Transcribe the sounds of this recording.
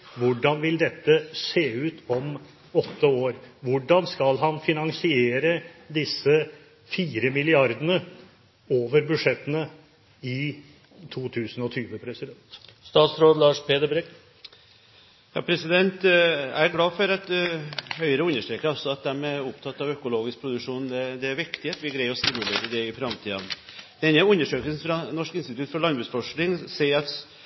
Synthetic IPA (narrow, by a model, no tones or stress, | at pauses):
ʋʊɖɑnʋɪld̪ɛt̪ːəseːʉːt̪ʰɔm | ɔt̪ːəoːɾʋʊɖɑnskɑlɦɑnfɪnɑŋsɪeːɾəd̪ɪsːə | fiːɾəmɪlɪɑɾd̪ənə | oːʋəɾbʉʂɛt̪ːənə | ɪ | t̪ʰuːt̪ʰʉːsən̩ɔt̪ʰyːʋəpʰɾɛsɪd̪ɛnt̪st̪ɑːt̪sɾoːd̪lɑːʂpʰeːd̪əbɾɛɡ | jɑ̰ːpʰɾɛsɪd̪ɛnt̪æɡlɑːfɔɾɑt̪hœʏəɾəʉnːəʂʈɾeːkəɾɔsɔɑt̪̚d̪ɛmæɾʊpt̪ʰɑt̪ːɑʋœkʊloːɡɪsk̚pʰɾʊd̪ʉʂuːnd̪ɛd̪ɛæɾʋɪkt̪ɪt̪ʋɪɡɾæɪɔsɪmʉleːɾəd̪ɛɪfɾɑmt̪ʰiːd̪ɑnd̪ɛɛnːəʉnːəʂøːkəlsn̩fɾɑnɔʂkɪnst̪ɪt̪ʰʉt̪fɔɭɑnbʉːsfɔʂnɪŋsæɪɑt̪